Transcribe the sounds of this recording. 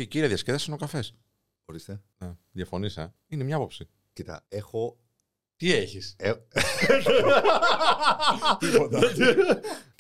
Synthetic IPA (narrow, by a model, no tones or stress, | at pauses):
iciɾiɐðjɐsceðɐsinokɐfe̞s | xoɾist̪eneðjɐfo̞nisɐ | inemɲɐɐpo̞psi | cit̪ɐ̰exo | t̪ieçise | t̪i